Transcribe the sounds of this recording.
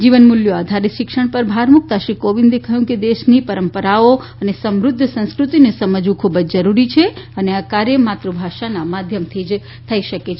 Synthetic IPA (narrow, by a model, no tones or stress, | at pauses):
d͡ʒiʋənmuljoad̪ʱaɾiʃɪkʃəɳ̃pəɾbʱaɾmuk̚t̪aʃɾikoʋĩnd̪ekəɦjũked̪eʃnipəɾəmpəɾao | ənesəmɾʊd̪ʱːəsə̃skɾut̪inesəməd͡ʒũkʰubəd͡ʒd͡ʒəɾuɾit͡ʃʰeəneakaɾjəmat̪ɾobʱaʃanamad̪ʱjəmt̪ʰid͡ʒ | t̪ʰəiʃəket͡ʃʰe